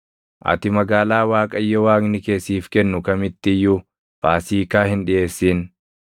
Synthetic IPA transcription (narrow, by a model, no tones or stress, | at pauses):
ʔɐ̰t̪ɪmɐɡaːlaːwaːkʼɐjːɔwaːknɪke̞ːsːiːfkɛnːʊkɐmɪt̪ːɪjːʊ | b̥aːsiːkaːhɪnᶑɪʔeːsːiːn